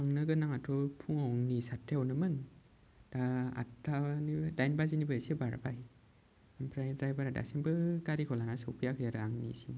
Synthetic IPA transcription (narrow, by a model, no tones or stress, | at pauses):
aŋnɯɡɯnaŋatʰɔpʰuŋawŋnisatʰːewnɯmɯn | d̥aa̰tːanidajnbazinibɯesibaɾ̰baj | ampʰɾajdɾajbaɾada̰sinbɯɡaɾikʰɔlanasɔwpʰijakʰɯjaɾɯaŋnḭsi